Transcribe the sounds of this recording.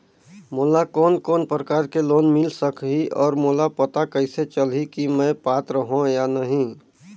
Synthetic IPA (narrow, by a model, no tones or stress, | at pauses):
moːlakɔːnkɔːnpɾəkaːɾkeloːnmɪlsəkɦiʔɔːɾmoːlapət̪akəɪset͡ʃəlikimɛ̃paːt̪ɾəɦõjanəɦĩ